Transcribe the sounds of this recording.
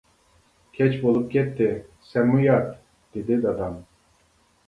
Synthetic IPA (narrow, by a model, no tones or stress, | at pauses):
kʲʰɛt͡ʃbolˠup̚ɡʲɛt̪ːɪsɛmːujat̪ | d̪̥ed̪id̪ɑd̪ɑm